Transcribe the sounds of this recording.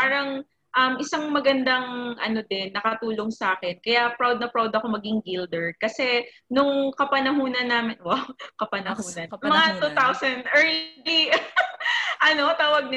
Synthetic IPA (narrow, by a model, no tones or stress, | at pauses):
paːɾɐŋ | ʔɐmʔɪsaŋmɐɡɐnd̪ɐŋʔɐno̞d̪ɛnːɐkɐt̪uːlo̞ŋsʔaːkɛnkɐjapɹawd̪̚nɐpɹawd̪ɐko̞mɐɡɪŋɡild̪ɛɹd̪̚kɐsɛ | nʊŋkɐpɐnɐɦuːnɐnːaːmɪnwawkɐpɐnɐɦuːnɐnmɐŋat̪ut̪awsɐnd̪ʔɛɹlli | ʔɐno̞t̪aːwɐɡ̚nɪ